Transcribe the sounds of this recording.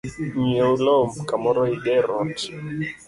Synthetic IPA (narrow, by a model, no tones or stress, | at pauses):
ɲɛulɔmkamɔɾɔiɡɛɾɔnd